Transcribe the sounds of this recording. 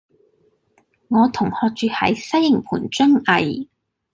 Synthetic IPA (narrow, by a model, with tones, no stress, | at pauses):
ŋɔː˨˧t̪ʰʊ˨˩ŋhɔː˧k̚t͡ʃyː˨˧hɐ̰˨˥jsɐ˥jːɪ˨˩ŋpʰuː˨˩nt͡ʃɵ˥ŋʔɐ˨˧j